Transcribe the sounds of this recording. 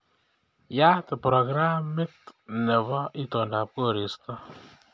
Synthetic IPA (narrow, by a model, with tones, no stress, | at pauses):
ja˦tɪ˨pɾo˨ɡɾa˦mɪ˦tnɛ˨βɔ˦ʔi˦to˨nda˨p̚ko˦˨ɾi˨stɔ˦